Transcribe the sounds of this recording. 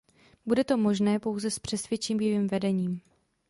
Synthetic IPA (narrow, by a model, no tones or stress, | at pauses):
budɛt̪o̞mo̞ʒnɛːpo̞wzɛspr̝̥ɛsvjɛt͡ʃiːmjɛviːmvɛdɛɲiːm